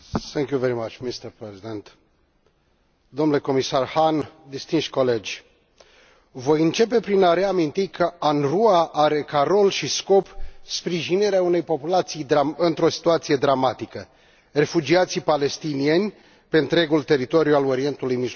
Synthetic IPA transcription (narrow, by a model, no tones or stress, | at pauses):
θɛ̃ŋkjuveɾimat͡ʃmist̪əɾpɾezid̪ent̪ | d̪omnule̞ko̞misarhand̪ist̪inʃkoled͡ʒʲ | vo̞jɨnt͡ʃe̞pe̞pɾinaɾe̞amint̪ikʰəanruaʔaɾe̞kaɾo̞lʃisko̞pspɾiʒiniɾeaune̞jpo̞pulat̪sijd̪ɾaɨnt̪ɾo̞si̥t̪uat̪sije̞d̪ɾamat̪ikə | re̞fud͡ʒiat̪sipale̞st̪inie̞nʲ | pe̞ɨnt̪ɾe̞ɡult̪e̞ɾit̪o̞ɾijualo̞ɾie̞nt̪ulujmi